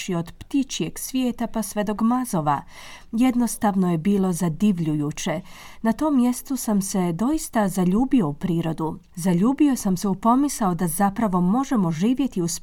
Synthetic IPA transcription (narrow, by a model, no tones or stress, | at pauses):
io̞d̪pt̪it͡ʃie̞ɡsʋjeːt̪apasʋed̪o̞ɡmazo̞ʋa | je̞d̪no̞st̪aʋno̞je̞biːlˠo̞zad̪iʋʎujuːt͡ɕe̞ | nat̪o̞ːmːje̞st̪usamse̞d̪o̞ist̪azaʎuːbio̞upɾiːɾo̞d̪u | zaʎuːbio̞samseupo̞misao̞d̪azapɾaʋo̞mo̞ʒe̞mo̞ʒiːʋje̞t̪iusp